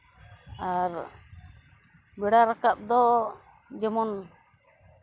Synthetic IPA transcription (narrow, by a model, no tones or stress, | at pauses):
aɾ | bɛɽaɾakap̚d̪ɔ | d͡ʒɛmɔn